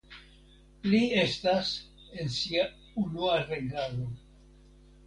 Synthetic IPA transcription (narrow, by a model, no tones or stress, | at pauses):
lie̞stas | e̞nsia | unuaɾeɡalo̞